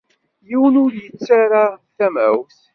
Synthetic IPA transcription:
jiwnʊɾjət͡sːaɾaθæmæ̰wθ

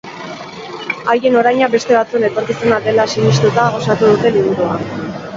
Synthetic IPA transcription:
aje̞no̞ɾajɲabe̞st̪e̞βat͡suenet̪o̞ɾkisenad̪e̞lasinist̪ut̪aɣo̞sat̪uðut̪e̞liβuɾua̰

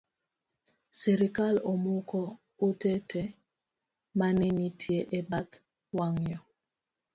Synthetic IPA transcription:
seɾikalomukɔ | utɛtɛ | manɛnitʰieʔebat | waŋjɔ

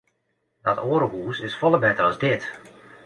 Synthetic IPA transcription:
d̥ɔtoːɾəɦuːsɪsfɔlˠəbɛtərɑzdɪt

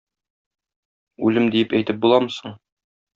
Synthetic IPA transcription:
ʉlɘmd̪ijɘpæjt̪ɘp̚bulˠɑmɤ̆sɤ̆ɴ

